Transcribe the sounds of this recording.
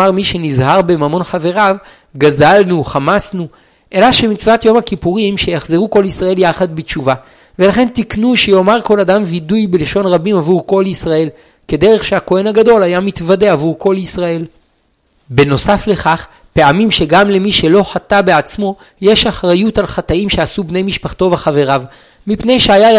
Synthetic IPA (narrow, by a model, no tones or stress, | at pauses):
aʁmiʃe̞nizhaʁbemamo̞nχave̞ʁav | ɡazalnuχamasnu | ʔe̞laʃemit͡svatjo̞mhakipuʁimʃejaχzeʁuko̞lisʁae̞ljaχad̪̚bet͡ʃuva | ve̞laχe̞ntiknuʃejo̞maʁko̞ladamvidujbeleʃo̞nʁabimavuʁko̞lisʁae̞l | ke̞de̞ʁe̞χʃeako̞e̞nhaɡado̞lajamitvade̞avuʁko̞lisʁae̞l | beno̞safle̞χaχ | pe̞amimʃe̞ɡamle̞miʃe̞lo̞ħatabeat͡smo̞ | je̞ʃaχʁajutalχataimʃeasubne̞jmiʃpaχto̞vaχave̞ʁav | mipne̞jʃeaja